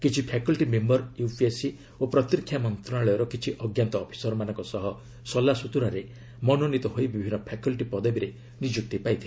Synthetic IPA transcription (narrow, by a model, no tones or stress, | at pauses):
kit͡ʃʰipʰakɔlʈimembɔɾjupʰiesi | opɾɔt̪ɾikʰːjamɔnt̪ɾɔnaɭɔjɔɾɔkit͡ʃʰiʔɔɡjant̪ɔːpʰi̥sɔɾɔmanɔŋkɔsɔɦɔ | sɔlːasut̪uɾaɾe | mɔnɔnit̪ɔɦojbibʱinːɔpʰakulʈipɔd̪ɔbiɾe | nid͡ʒuk̚t̪ipajt̪ʰile